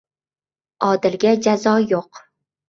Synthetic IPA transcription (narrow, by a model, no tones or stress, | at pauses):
ɒd̪ɪlɡʲad͡ʒazɒjoq